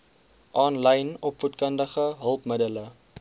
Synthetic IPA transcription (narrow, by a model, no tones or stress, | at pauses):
ʔɑːnləjnɔpfutkəndəχəɦəlˠpmədələ